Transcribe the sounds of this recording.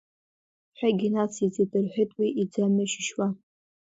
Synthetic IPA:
ħʷᶣaɡʲinat͡sʰid͡zitʼɨrħʷᶣetʼwiʔid͡zamɨʃɪʃwa

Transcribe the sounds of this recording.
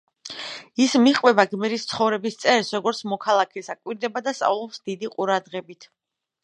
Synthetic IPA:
ismiχqʼwɛbaɡmɛɾist̪sʰχɔvɾɛbist̪sʼɛɾsɾɔɡɔɾt̪sʰmɔkʰalˠakʰɛsakʼwiɾd̪ɛbad̪ast̪sʼa̰vlˠɔpsd̪id̪iqʼuɾad̪ʁɛbit̪ʰ

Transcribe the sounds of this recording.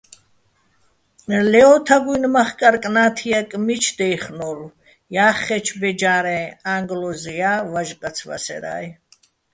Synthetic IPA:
lɛɔt̪ʰaɡujnmaχkʼaɾkʼnaːt̪ʰijakʼmit͡ʃʰd̪ɛjχnɔɾu | jaːχːɛt͡ʃʰbɛd͡ʒaːɾɛaŋɡlɔzɛjavaʒqʼat͡sʰva̰sɛ̰ɾa̰j

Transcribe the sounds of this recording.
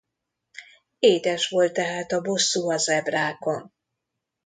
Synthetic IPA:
eːd̪ɛʃʋo̞lt̪ːɛɦaːt̪ɒbo̞sːuɒzɛbraːko̞n

